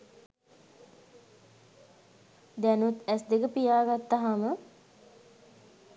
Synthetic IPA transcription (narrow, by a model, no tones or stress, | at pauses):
d̪ænut̪ɛsd̪ekəpijaːɡat̪ːaɦamə